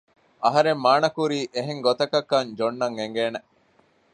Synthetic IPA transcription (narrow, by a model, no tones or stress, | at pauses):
ʔɐɦɐɾemːaːnɐkuɾiːʔeɦeŋɡot̪ɐkɐkːɐnd͡ʒonːɐŋeŋɡeːne